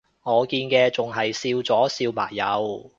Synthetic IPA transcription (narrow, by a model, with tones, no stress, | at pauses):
ŋɔː˨˧kiː˧nkɛː˧t͡sʊ˨ŋɦɐ˨jsiː˧wt͡sɔː˨˥siː˧wma̰ː˨˩jːɐ̰˨˧w